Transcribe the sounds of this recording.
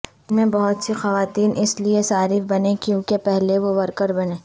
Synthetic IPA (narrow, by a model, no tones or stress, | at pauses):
mẽbɐɦʊt̪sixɐʋaːt̪iːnʔɪsliesaːɾifbɐnẽkjõːkepɛɦleʋoʋɐɾkəɾbɐnẽː